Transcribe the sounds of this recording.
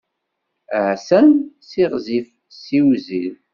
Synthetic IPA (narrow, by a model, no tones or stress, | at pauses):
ʕsænsiʁzif | siwzið